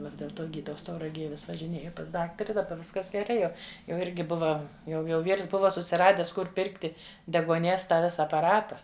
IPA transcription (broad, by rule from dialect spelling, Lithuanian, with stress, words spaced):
ˈʋɐ dʲeːlˠ ˈtoː ˈɡʲiːdɐʊs tɐʊrɐˈɡʲeːj ʋʲɪs ʋɐʒʲɪˈnʲeːjʊ pɐs ˈdɑːktɐrʲɪ dɐˈbɐ ˈʋʲɪskɐs ɡʲɛˈrɐɪ jɛʊ jɛʊ ˈɪrʲɡʲɪ ˈbʊʋɐ jɛʊ jɛʊ ˈʋʲiːrs ˈbʊʋɐ sʊsʲɪˈrɑːdʲɛs ˈkʊr ˈpʲɪrktʲɪ dʲɛɡuɔˈnʲiɛs ˈtɑː ˈʋʲɪsɐ ɐpɐˈrɑːtɐ